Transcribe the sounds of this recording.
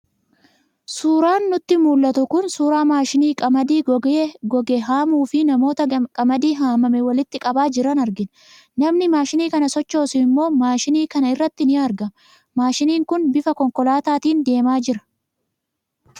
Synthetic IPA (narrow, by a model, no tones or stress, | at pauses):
suːɾaːnːʊt̪ːɪmuːlːɐt̪ʊkʊnsuːɾaːmaːʃɪniːkʼɐmɐd̪iːɡɔɡɛɦaːmuːfɪnɐmo̞ːt̪ɐkʼɐmɐd̪iːɦaːmɐmɛwɐlɪt̪ːɪkʼɐbaːd͡ʒɪɾɐnɐɾɡɪn | nɐmnɪmaːʃɪniːkɐnɐsɔt͡ʃːo̞ːsɪɪmːo̞ːmaːʃɪniːkɐnɐɪrːɐt̪ːɪnɪaːɾɡɐ | maːʃɪniːŋkʊnbɪfɐkɔŋkɔlaːt̪aːt̪iːnd̪e̞ːmaːd͡ʒɪɾɐ̥